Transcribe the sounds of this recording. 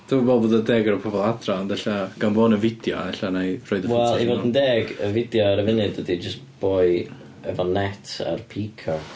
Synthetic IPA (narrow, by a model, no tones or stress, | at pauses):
d̥ubolˠboːdədɛːɡəɾəpʰɔvɔlˠadraɔnd̪ɛɬaɡ̥anvoːnəvɪdjɔ̰ɛɬanajrɔːjdəwɛlˠivodəndɛːɡəvɪdjɔaɾəvɪnɨddədid͡ʒəstb̥oːɨ | ɛvɔnɛtʰa̰rpʰiːkʰa